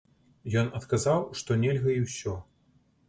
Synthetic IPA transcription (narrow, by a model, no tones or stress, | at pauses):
jɔnɐt̪kɐzawʂt̪ɔnʲɛlʲɣɐiwsʲɔ